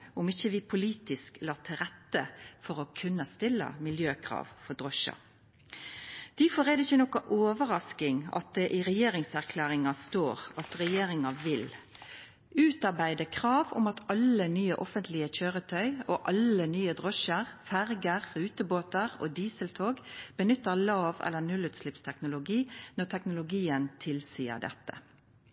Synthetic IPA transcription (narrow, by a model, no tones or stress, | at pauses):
ʊmɪçəʋɪpʰʊliːt̪ɪsklɑːt̪ʰɪlɾɛt̪ːəfɔɾɔkʰʉnːəst̪ɪlːə̰mɪljøːkʰʁɑ̰ːʋfɔd̪ʁɔʃɑ̰ | d̪̥iːfoːɾɛd̪ɪçːənɔkɑʔoːʋəʁɑskɪŋɑ̰t̪̚d̪ɛʔɪʁɛjeːɾɪŋsæʁkʰlæːʁɪŋɑst̪oːɾɑt̪ɾɛjeːɾɪŋɑʋɪl | ʉːt̪ɑʁbæɪd̪əkʰʁɑːʋʊ̰mɑt̪ɑlənyːə̰ʔɔfənt̪lɪəc͡çøːʁət̪ʰœʏoːʔɑlənyːəd̪ʁɔʃəʁfæʁɡəʁːʉːt̪əboːt̪əʁo̰ːd̪iːsəlt̪ʰoːɡb̥ənʏt̪ːəʁlɑːʋɛ̰lːənʉlʉːt̪slɪpst̪ʰɛknʊlʊɡiːnɔʁt̪ʰɛknʊlʊɡiːənt̪ʰɪlsiːə̰ʁd̪ɛ̰t̪ːə̰